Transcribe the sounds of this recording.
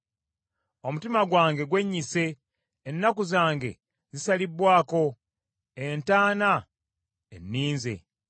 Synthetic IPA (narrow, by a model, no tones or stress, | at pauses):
o̞mutimaɡwaːŋɡe̞ɡwe̞ɲːise̞ː | nːakuzaːŋɡe̞̰ | zisalibwaːko̞ | entaːna | enːiːnze̞̰